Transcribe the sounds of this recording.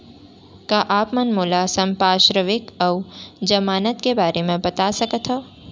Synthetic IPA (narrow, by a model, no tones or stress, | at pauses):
kaʔaːpmənmuːlasɐmpaːʃɾəʋɪkɐwd͡ʒəmaːnət̪kebaːɾemẽbɐt̪asəkət̪ʰɦo